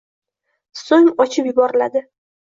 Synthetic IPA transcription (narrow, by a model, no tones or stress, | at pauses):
soŋɒt͡ʃʰɪpjʊbɒɾɪlad̪ɪ